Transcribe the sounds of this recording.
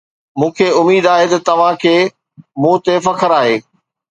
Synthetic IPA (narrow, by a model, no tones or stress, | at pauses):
mũːkʰeʊmiːd̪aːɦet̪ɐt̪ɐʋ̤ãkʰeː | mũːt̪efɐkʰəɾaːɦeː